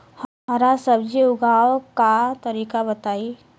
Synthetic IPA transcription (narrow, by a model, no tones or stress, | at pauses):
hɦɐɾasɐbd͡ʒiʊɡʱaːwkat̪əɾiːkabɐt̪aːi